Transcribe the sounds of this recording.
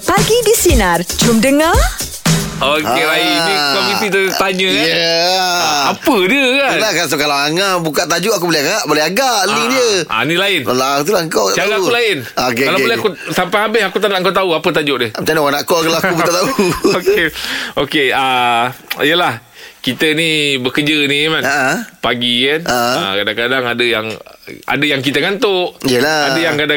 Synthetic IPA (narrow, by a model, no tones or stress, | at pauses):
paɡidisinard͡ʒumdəŋa | okeɾaiikovit̪it̪t̪aɲəjə | apədiəkantakas̬ukalaaŋabukaʔt̪ad͡ʒʊʔak̬ubolɛhaɡaɡaʔbolɛɦaɡaʔlidiəʔa̰nilaɪnlat̪̬ulaəŋkawkaʔt͡ʃaɾaaulaɪnokealakbolɛhakusampajabɪɦakut̪anaʔəŋkawt̪auapət̪̬ad͡ʒʊʔdɛhpət͡ʃanawanaʔkɔkalaakubutat̪auokeokeə | ijəlah | kit̪ənibəkəd͡ʒənimanʔpaɡikanəakadaŋkadaŋadəjaŋa̰dəjaŋk̬it̪əŋant̪ʊʔijəlaadəjaŋkada